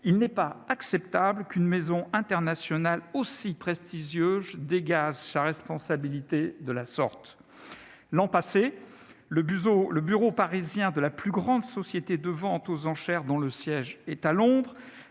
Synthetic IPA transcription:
ilnɛpaaksɛpt̪abləkynmezɔ̃ɛ̃t̪ɛʁnasjɔnalosipχɛst̪iʒjøzd̪eɡaʒsaʁɛspɔ̃sabilit̪ed̪əlasɔʁt̪ | lɑ̃pase | ləbyoləbyʁopaʁizjɛ̃d̪əlaplyɡʁɑ̃d̪sɔsjet̪ed̪əvɑ̃t̪ozɑ̃ʃɛʁd̪ɔ̃ləsjɛʒɛt̪alɔ̃d̪ʁ

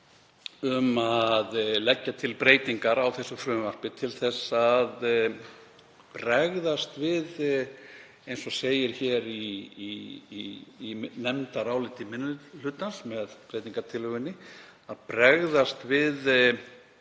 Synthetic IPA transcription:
ʏmaðlɛcːat̪ʰɪlpɾeːjt̪iŋkaɾawθɛsːʏfɾʏːmar̥pɪt̪ʰɪlθɛsːað | pɾɛɣðast̪vɪð | ejnsɔseːjɪɾ̥çɛɾi | nɛmt̪aɾaːwlɪt̪ɪmɪnːʏl̥ʏːt̪ansmɛðpɾeːjt̪iŋkaɾt̪ʰɪlʏɣɪnːɪ | aðpɾɛɣðast̪vɪð

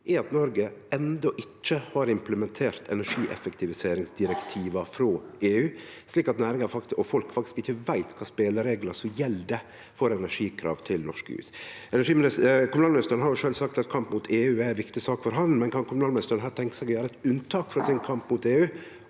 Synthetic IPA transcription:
ʔɛɑt̪nɔɾɡəɛnd̪ɔʔɪt͡ʃːəhɑːɾɪmpləmɛnt̪ʰeːɾt̪ʰɛ̰næʂiːʔɛ̰fəkt̪ʰɪʋɪseːɾɪŋsd̪ɪɾɛkt̪ʰiːʋɑfɾoːeːʉː | sliːkɑt̪næːɾɪŋɑfɑɔfɔlkfɑk̚t̪ɪ̥skɪçːəʋæɪt̪kʰɑːspeːləɾeːɡlɑsɔmjɛld̪ɛ | fɔɾɛnæʂiːkʰɾɑ̰ːʋt̪ʰɪlnɔʂkhʉ̰ːsɛnæʂiːmɪnɪkʰʊmʉnɑːlmnɪst̪əɾənhɑɾjʊʂøːlsɑkt̪ɑt̪̚kʰɑmpmuːt̪ʰeːʉːænʋɪkt̪ɪsɑːkfɔɾɦɑnmɛnkʰɑnkʰʊmʉnɑːlmɪst̪əɾənɦæːt̪ʰɛŋkə̥sɛɪɡɔjøːɾəɛt̪ʉnt̪ʰɑːkfɾɑsɪnkʰɑmpmuːt̪eːʉː

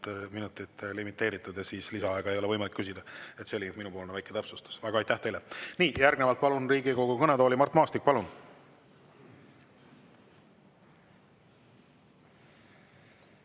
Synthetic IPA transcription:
minut̪ːˑit̪ːlimit̪ːˑe̞ːɾit̪ːˑud̪jɑsiːslisɑɑeɡ̥ɑe̞jo̞le̞ɤjmɑlikːys̬id̪ɑe̞t̪selʲint̪minubpo̞ːlnɑvæjkːˑet̪æpsust̪u̥svæɡ̥ɑɑjt̪æht̪e̞jleniːjærɡnevɑlt̪̚pɑlunriːɡiko̞ɡukɤnet̪o̞ːlimɑrt̪ːˑmɑːst̪ik̚pɑlun

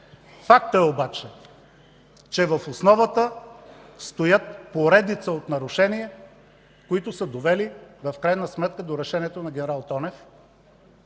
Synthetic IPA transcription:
fak̚t̪əɛobat͡ʃɛ | t͡ʃɛvəfosnɔvət̪ə | st̪ojət̪̚poɾɛd̪it̪səot̪nɐɾʊʃɛniɛ | koit̪ʊsəd̪ovɛlivɐfkɾajnəsmɛt̪̚kəd̪oɾɛʃɛniɛt̪onɐɡʲɛnɛɾalˠt̪ɔnɛf

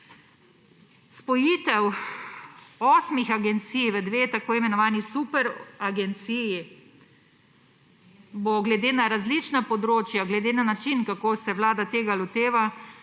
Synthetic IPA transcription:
spɔjit̪ɛw | ɔːsmixaɡɛnt̪sijʋəd̪ʋeːt̪akoːimɛnɔʋaːnisupɛɾaɡɛnt̪siji | boɡlɛd̪eːnaɾazlit͡ʃnapɔd̪ɾoːt͡ʃjaɡlɛd̪eːnanat͡ʃinkakoːsɛʋwlaːd̪at̪eːɡalɔt̪eːʋa

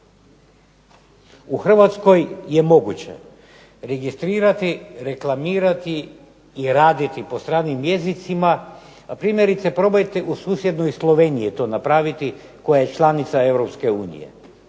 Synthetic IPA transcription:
uxr̩ʋat̪sko̞jje̞mo̞ɡut͡ɕe̞̰ | ɾe̞ɡist̪ɾiːɾat̪iɾe̞klˠamiːɾat̪iː | ɾaːd̪it̪ipost̪ɾaːnimje̞zit̪sima | apɾiːmjeɾit̪sepɾo̞bajt̪eʔusuːsje̞d̪nojslˠo̞ʋeːnijit̪o̞napɾaːʋit̪i | ko̞jaje̞t͡ʃlˠanit̪sae̞ʋɾopske̞uːnḭjḛ

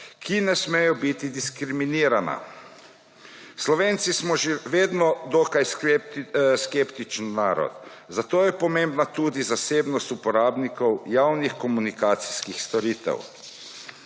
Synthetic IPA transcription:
kʰinɛsmɛjɔbit̪id̪iskɾiminiːɾana̰ | slɔʋeːnt̪sismɔʒeʋeːd̪nɔd̪okaj | skept̪it͡ʃnːaːɾɔ̰t̪ | zat̪oːjɛpɔmẽmbnat̪ud̪izaseːbnɔst̪upɔɾaːbnikɔwjaːwnixkɔmunikaːt̪si̥skixst̪ɔɾiːt̪ɛ̰w

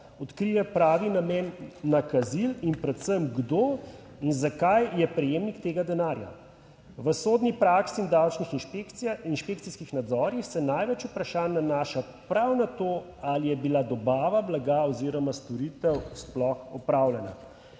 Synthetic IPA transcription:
ɔt̪kɾijɛpɾaːʋinamɛːnːakazilinpɾɛt̪səmɡd̪o | inzakajjɛpɾɛjeːmnikt̪eːɡad̪ɛnaːɾja̰ | ʋəsoːd̪nipɾaksind̪awt͡ʃnixinʃpinʃpek̚tsiskixnad̪zɔːɾjixsɛnajʋɛt͡ʃupɾaʃaːnːanaːʃa | pɾawnat̪oːalijɛbilad̪ɔbaːʋablaɡaɔziɾɔmast̪ɔɾiːt̪ɛwsplɔxɔpɾaːwlɛna̰

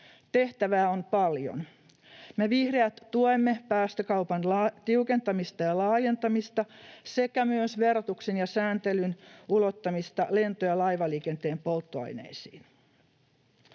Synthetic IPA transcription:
t̪e̞ht̪æʋæːo̞npɑljo̰n | me̞ʋihreæt̪ːuojmːe̞pæːst̪økɑwpɑnlɑt̪iuke̞nt̪ɑmist̪ɑjɑlɑːje̞nt̪ɑmist̪ɑse̞kæmyøsʋe̞rot̪uksenjɑsæːnt̪e̞lynulot̪ːɑmist̪ɑle̞nt̪ojɑlɑjʋɑliːke̞nt̪e̞ːmpo̞lˠt̪ːoɑ̰jne̞̰isḭːn

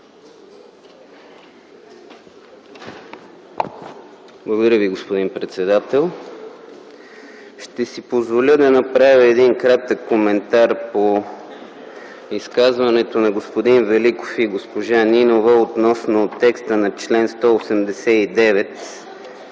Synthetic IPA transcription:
blˠəɡod̪ɾʲəviɡospod̪inpɾɛt̪sɛd̪at̪ɛlˠ | ʃt̪ɛsipozvolʲəd̪ɐnɐpɾavʲjəɛd̪inkɾat̪əkːomɛnt̪aɾpo | iskazvɐnɛt̪onɐɡospod̪invɛliko̥fiɡospoʒaninovəot̪nɔsnot̪ɛkst̪ənɐt͡ʃlɛnst̪ɔosɛmd̪ɛsɛid̪ɛvɛt̪

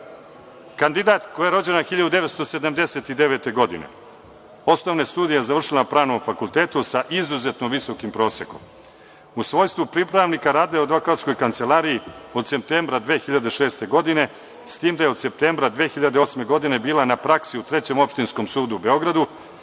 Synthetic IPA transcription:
kand̪id̪aːt̪kojeɾo̞d͡ʑe̞naxiʎad̪ud̪e̞ʋet̪st̪ose̞d̪amd̪e̞se̞t̪id̪e̞ʋe̞ːt̪e̞ɡo̞d̪ḭnḛ | o̞snoʋnest̪uːd̪ijaezaʋr̩ʃilapɾaːnomfakulˠt̪e̞ːt̪usaʔizuze̞t̪noʋiso̞kimpɾo̞ːse̞ko̞̰m | usʋo̞ːjst̪ʋupɾipɾaʋnikaɾaːd̪aod̪ʋokat̪sko̞jkant̪se̞lˠaːɾiio̞d̪se̞p̚t̪eːmbɾad̪ʋeːxiʎad̪e̞ʃe̞ːst̪e̞ɡo̞d̪ine̞ | st̪iːmd̪aje̞o̞d̪se̞p̚t̪eːmbɾad̪ʋeːxiʎad̪eo̞sme̞ɡo̞d̪ine̞biːlˠanapɾaksiut̪ɾe̞t͡ɕe̞mo̞pʃt̪insko̞msuːd̪uube̞o̞ɡɾad̪u

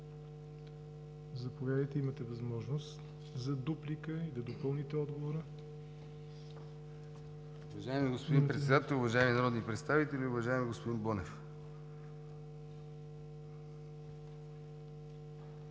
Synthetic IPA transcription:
zɐpovʲjad̪əjt̪ɛimət̪ɛvɐzmɔʒnos | zɐd̪uplikəid̪ɐd̪opɤlˠnit̪ɛɔd̪ɡovoɾə | ʊvɐʒaɛmiɡospod̪inpɾɛt̪sɛd̪at̪ɛlˠʊvɐʒaɛminɐɾɔd̪nipɾɛt̪st̪avit̪ɛlʲiʊvɐʒaɛmiɡospod̪inbɔnɛf

